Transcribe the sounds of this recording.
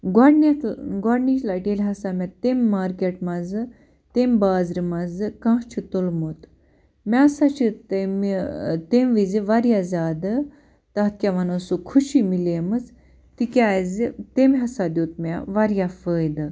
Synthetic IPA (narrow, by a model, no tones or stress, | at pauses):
ɡaɽnaɡaɽniʃlaʈelɦɐsamʲat̪emːaɾkeʈmazɨ | t̪embaːzɾimad͡zɨkãɦt͡ʃʰit̪olmot̪ | mʲasat͡ʃʰit̪emt̪emʋid͡ziʋaɾjazaːd̪ə | t̪at̪̚kʲaʋanosukʰuʃimilemɨt͡s | t̪ikʲajzt̪emɦasad̪ʲjot̪̚mʲaʋaɾjafəjd̪ɨ